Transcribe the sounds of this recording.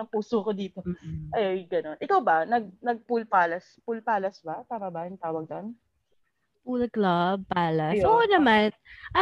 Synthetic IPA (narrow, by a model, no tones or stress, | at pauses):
ɐŋpuːsokod̪iːt̪oʔɐjɡɐno̞nʔɪkawbɐnɐɡ̚nɐɡ̚pulpaːlɐspʊlpaːlɐsbat̪aːmabajʊŋt̪aːwɐɡ̚d̪on | puːlɐklɐb̚paːlɐʔoːʔonɐmanʔɐ